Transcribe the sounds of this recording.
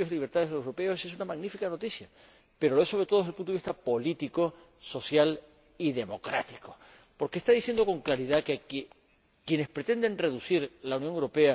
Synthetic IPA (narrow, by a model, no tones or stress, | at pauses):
osiliβ̞eɾt̪aðeewɾo̞pe̞oses̬unamaɣnifikano̞t̪isja | pe̞ɾo̞loesoɾe̞t̪oðoðelpunt̪oiht̪apo̞lit̪iko̞ | so̞sjal | iðe̞mo̞kɾa̰t̪iko̞ | po̞ɾkest̪aðisje̞nd̪o̞ko̞ŋklaɾiðakek | kje̞ne̞spɾe̞t̪e̞nd̪e̞nre̞ðusiɾlaunjoŋewɾope̞a